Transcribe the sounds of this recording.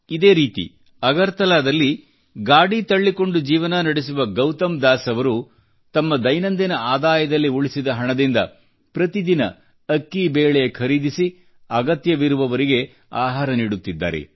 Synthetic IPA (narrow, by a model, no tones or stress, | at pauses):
id̪e̞ːɾiːt̪ḭ | ɐɡɐɾt̪ɐlaːd̪ɐlːi | ɡaːɽit̪ɐɭːikoɳɖud͡ʒiːʋɐnɐnɐɽes̬uʋɐɡɐwt̪ɐmd̪aːsɐʋɐɾu | t̪ɐmːɐd̪ɐjnɐnd̪inɐaːd̪aːjɐd̪ɐlːiuɭisid̪ɐɦɐɳɐd̪ind̪ɐ̰ | pɾɐt̪id̪inɐ̰ | ɐkːibeːɭɛjɐkʰɐɾiːd̪isi | ɐɡɐt̪jɐʋiɾuʋɐʋɐɾiɡe̞ | aːɦaːɾɐniːɽut̪ːid̪ːa̰ːɾḛ